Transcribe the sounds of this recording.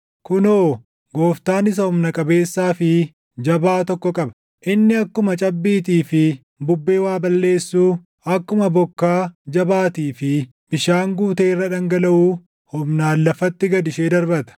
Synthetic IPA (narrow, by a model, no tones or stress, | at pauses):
kʊnoː | ɡoːft̪aːnɪs̬ɐhʊmnɐkʼɐbe̞ːsːaːfɪ | d͡ʒɐbaːt̪ɔkːɔkʼɐbɐ̥ | ʔɪnːɪɐkːʊmɐt͡ʃʼɐbːiːt̪iːfɪ | bʊbːe̞ːwaːbɐlːe̞ːsːuː | ɐkːʊmɐbɔkːaːd͡ʒɐbaːt̪iːfɪ | bɪʃaːŋɡuːt̪e̞ːrːɐᶑɐŋɡɐlɐʔuː | hʊmnaːlːɐfɐt̪ːɪɡɐd̪ɪʃeːd̪ɐɾbɐt̪ɐ̥